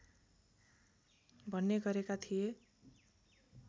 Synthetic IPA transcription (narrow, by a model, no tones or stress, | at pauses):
bʱʌnːeɡʌɾekat̪ʰije